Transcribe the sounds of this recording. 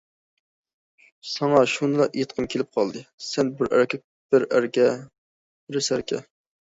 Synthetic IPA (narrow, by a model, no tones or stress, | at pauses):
sɑŋɑʃunɨlˠɑʔet̪qʰəmkʲʰelɪp̚qʰɑlˠd̪ɨsɛnbɪɾæ̰ɾkʲʰɛ | b̥ɪɾæɾkʲɛ | bɾɪsæɾkʲɛ̰